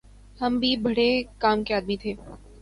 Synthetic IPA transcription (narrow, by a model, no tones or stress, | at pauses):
hɐmbʱibɐɽekaːmkeaːd̪mit̪ʰeː